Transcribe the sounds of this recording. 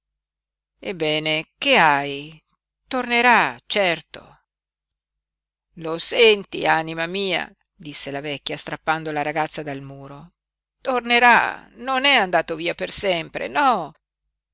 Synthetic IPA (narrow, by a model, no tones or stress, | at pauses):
ebːɛːnekeaj | t̪orneɾat͡ʃɛrt̪o̰ | losɛnt̪ḭanimamiːa̰ | d̪isːelavɛkʲːjast̪ɾapːand̪olaɾaɡat̪sːad̪almuːɾo | t̪orneɾa̰nonɛand̪aːt̪oviːapersɛmpɾḛnɔ